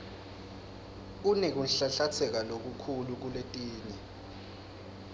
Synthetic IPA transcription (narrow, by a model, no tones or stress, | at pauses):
unɛk̬unɬaɬat͡sʰɛk̬alok̬ukʰuluk̬uletʼiːni